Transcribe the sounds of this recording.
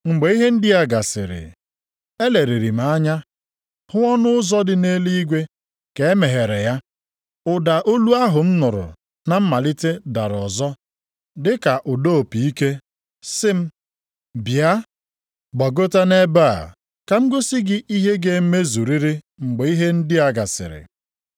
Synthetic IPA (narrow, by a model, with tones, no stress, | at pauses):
ŋ͡m̩˨ɡ͡be˨i˦ɦe˦n̩˦dɪ˦a˨ɡa˨sɪ̰˨ɾɪ̰˨ | e˦le˨ɾi˨ɾi˨m̩˦a˦ɲa˦ | hʊ˦ɔ˦nʊ˦ʊ˦zɔ˦dɪ˨ne˦li˦i˦ɡʷe˦ | ke˨e˦me˨ɦe˨ɾe˨ja˦ | ʊ˨da˨ʔo˦lu˦a˦ɦʊ˨m̩˦nʊ˨ɾʊ̰˨ | na˨m̩˦ma˨li˦te˦da˨ɾɔ˨zɔ˦ | dɪ˦ka˨ʔʊ˨do˦o˨pi˨i˦ke˦ | sɪ˦m̩˦ | bja˦ | ɡ͡bɔ˨ɡo˦ta˦ne˦ba̰˦˨ | ka˨ŋ͡m̩˦ɡʊ˦si˦ɡɪ˦ʔi˦ɦe˦ɡe˨˦me˦zu˨ɾi˦ɾi˦ | ŋ͡m̩˨ɡ͡be˨i˦ɦe˦n̩˦dɪ˦a˨ɡa˨sɪ̰˨ɾɪ̰˨